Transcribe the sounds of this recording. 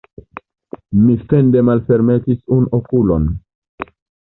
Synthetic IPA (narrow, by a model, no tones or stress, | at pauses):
mifende̞malfe̞ɾmetisunokulo̞̰n